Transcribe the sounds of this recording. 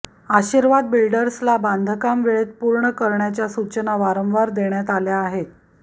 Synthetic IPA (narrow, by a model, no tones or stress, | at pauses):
aɕiɾʋad̪bilɖəɾslaband̪ʱəkamʋeɭet̪̚puɾɳəkəɾɳjat͡ɕjasut͡ɕənaʋaɾə̃mʋaɾd̪eɳjat̪aljaːɦet̪